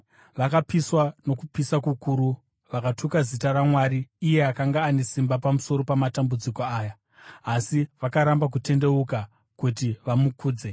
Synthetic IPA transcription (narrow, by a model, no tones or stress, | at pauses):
ʋakapiswano̞kupisakukuːɾu | ʋakatʰukazitaɾamwaɾiːje̞akaŋɡaːne̞simbapamuso̞ɾo̞pamatambud͡zikoaːjaː | siʋakaɾambak̬ute̞nde̞uka | kutiʋamukuːd͡ze̞